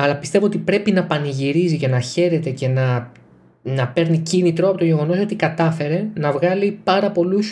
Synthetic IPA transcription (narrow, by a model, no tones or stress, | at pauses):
ɐlɐpist̪e̞vo̞ot̪ipɾe̞pinɐpɐniʝiɾizice̞nɐçe̞ɾe̞t̪e̞ce̞nɐ | nɐpe̞ɾnicinit̪ɾo̞ɐpo̞t̪oʝe̞ɣo̞no̞so̞t̪ikɐt̪ɐfe̞ɾe̞nɐvɣɐlipɐɾɐpo̞lus